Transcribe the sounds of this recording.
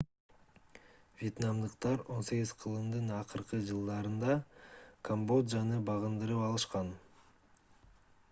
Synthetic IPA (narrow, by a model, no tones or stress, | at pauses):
vʲje̞t̪namd̪ɯqt̪ɑɾo̞nse̞ɡizqʰɯlˠɯmd̪ɯnɑqɯɾqɯd͡ʒɯlˠd̪ɑɾɯnd̪ɑkʰombo̞d̪zɑnɯbɑʁɯnd̪ɯɾɯpɑlˠɯʃqɑn